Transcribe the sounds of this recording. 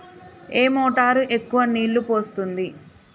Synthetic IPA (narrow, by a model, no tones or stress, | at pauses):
e̞ːmɔːʈaːɾuʔe̞kːuʋɐniːlːupo̞ːst̪und̪i